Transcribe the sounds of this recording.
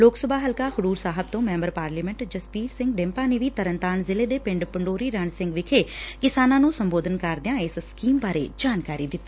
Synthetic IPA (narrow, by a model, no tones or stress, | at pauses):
loːksəbʱaːɦəlkaːhʊɽuːɾsaːɦəb̚t̪õːmɛ̃ːmbəɾpaːɾliːmɛ̃ɳʈd͡ʒəspiːɾsɪ̃ŋɡɖɛ̃ːmpaːneːʋiːt̪əɾənt̪aːnzɪleːd̪eːpɪ̃ɳɖpəɳɖoːɾiːɾaːnsɪ̃ŋɡʋɪkʰeːkɪsaːnãːnũːsəmboːd̪ənkəɾd̪ɪjãːɪsskiːmbaːɾḛːd͡ʒaːnkaːɾiːd̪ɪt̪ːaː